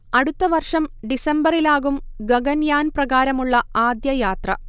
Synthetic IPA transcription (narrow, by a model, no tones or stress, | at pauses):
ɐɽut̪ːɐʋɐrʂɐmɖisembɐrilaːɣumɡɐɡɐnjaːnprɐɣaːɾɐmuɭːɐaːd̪jɐjaːt̪rɐ̰